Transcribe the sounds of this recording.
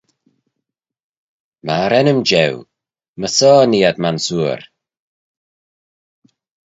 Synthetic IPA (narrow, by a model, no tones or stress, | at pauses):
maɾɛnəmd͡ʒɛw | məsɔːniːad̪mansuːɾ